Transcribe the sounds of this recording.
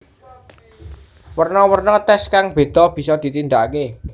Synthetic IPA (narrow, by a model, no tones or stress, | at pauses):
wərnɔwərnɔt̪ɛskaŋb̥e̤d̪̥ɔ̤b̥i̤sɔd̪̥i̤t̪ind̪ake